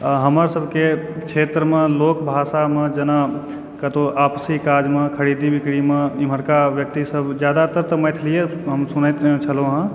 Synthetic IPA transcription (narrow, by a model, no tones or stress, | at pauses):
ɦəməɾsəbʱke | kt͡ʃʰet̪ɾəmẽloːkbʱasamẽd͡ʒəna | kət̪oʔaːpsikad͡ʒmẽkʰəɾid̪ibikɽimẽim̤əɾkaʋjək̚t̪isəbʱd͡ʒjad̪at̪əɾt̪əməjt̪ʰlijeɦəmsunət̪t͡ʃʰəlɦõɦə̃